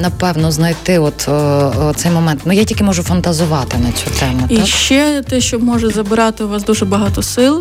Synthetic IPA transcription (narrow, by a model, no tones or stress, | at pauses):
nɐpɛwnɔznɐjt̪ɪɔt̪t̪sɛjmɔmɛnt̪nʊjatʲilʲkɪmɔʒʊfɐnt̪ɐzʊʋɑt̪ɪnɐt͡sʲut̪ɛmʊtiʃkt͡ʃɛt̪ɛʃt͡ʃɔmɔʒɛzɐbɪɾɑt̪ɪʋɑsd̪uʒɛbɐɦɑt̪ɔsɪlˠ